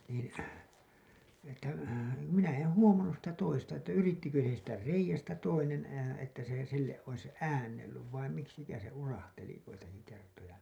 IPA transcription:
niːn̞ etːæ minæ en huomɑnːus sitæ toistɑ etːæ yritːikø siːtːæ reijæstæ toinen etːæ se silːeʔ ʔois æːnːelːyʋ ʋɑim miksikæːn̞ se urɑhteli joitɑki kertojɑ

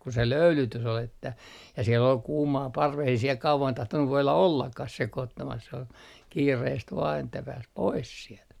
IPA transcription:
ku se løylytys ol etːæ jɑ siel ol kuːmɑː pɑrʋes ei siel kɑuʋɑn tɑhtonːu ʋoilɑ olːɑkːɑh sekoːtːɑmɑs s ol kiːreːst ʋɑː etːæ pæːs pois sielt

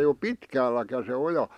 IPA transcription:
ei o pitkæːlːækæ se ojɑ

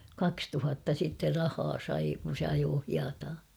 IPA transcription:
kɑkstuhɑtːɑ sitːer rɑhɑː sɑi kun̞ se ɑjoː hiɑtɑː

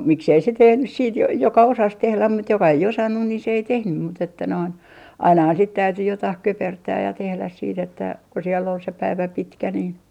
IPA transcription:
miksei se tehnys siːt jo jokɑ osɑs tehlæm mut jokɑ ei osɑnːun ni se ei tehnym mut etːæ noin ɑinɑhɑn sit tæyty jotɑih køpertæːj jɑ tehlæs siːt etːæ ku sielː ol se pæiʋæ pitkæ nin

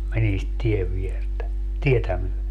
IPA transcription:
menin sit tieʋ ʋiertæ tietæ myøle

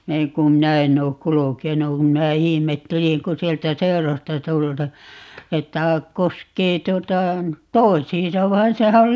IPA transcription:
næiŋ kum minæ enˑ oːk kulukenu kum minæ ihimetːeliŋ ku sieltæ seũrostɑ tultɑ etːæ koskeː tuotɑ toisˑiːn̞sɑ ʋɑin sehæ ol

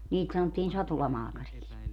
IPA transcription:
niːt sɑnotːiːn sɑtulɑmɑːkɑriks

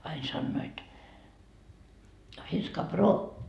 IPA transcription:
ɑin sɑnːoit finskɑ broː

